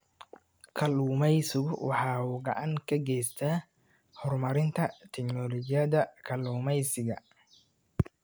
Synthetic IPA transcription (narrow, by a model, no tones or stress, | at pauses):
kʰɐluːmɛjsɪɣʊwɑ̰ħɑːuːɡɐ̰ʔaŋkʰɐɡɛjst̪ʰa | hɔrmɐɾɪnt̪ʰɐt̪ʰɛknɔlɔt͡ʃɪjɐðɐkʰɐluːmɛjsɪɣɐ̰